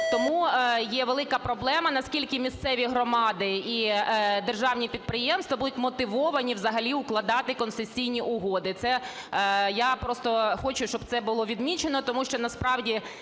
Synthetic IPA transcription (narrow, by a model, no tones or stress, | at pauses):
t̪ɔmujɛʋelˠɪkɐpɾɔblˠɛmɐnɐskʲilʲkɪmʲist̪sɛʋʲiɦɾɔmɑd̪ɪid̪erʒɑwnʲipʲid̪̚pɾɪjɛmst̪ʋɐbud̪ʊtʲmɔt̪ɪʋɔʋɐnʲiʋzɐɦɐlʲiʊklˠɐd̪ɑt̪ɪkɔnst̪ɪsʲijnʲiʔʊɦod̪ɪt̪sɛ | japɾɔst̪ɔxɔt͡ʃʊʃt͡ʃɔb̚t̪sɛbʊlˠɔʋʲid̪mʲit͡ʃenɔt̪ɔmuʃt͡ʃɔnɐspɾɑwdʲi